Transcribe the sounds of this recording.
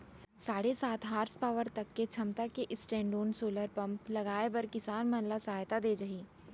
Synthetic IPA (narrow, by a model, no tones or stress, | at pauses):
saːɽesaːt̪ʰɦaːɾspaːʋəɾt̪ɐkːet͡ʃʰɐmt̪akeʔɪsʈɛ̃ːɳɖoːnsoːləɾpɐ̃mplɐɡaːebɐɾkɪsaːnmɐnlasaːjt̪ad̪eːd͡ʒɐɦiː